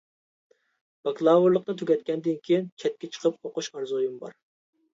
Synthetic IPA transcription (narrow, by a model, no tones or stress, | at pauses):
bɑklˠɑːvuɾlˠəq̚nɨt̪ʰyɡʲɛt̪̚kʲɛnd̪ɪnkʲʰejint͡ʃʰɛt̪̚kʲɛt͡ʃʰə̥qʰəp̚oqʊʃɑɾzojimbɑ̰ɾ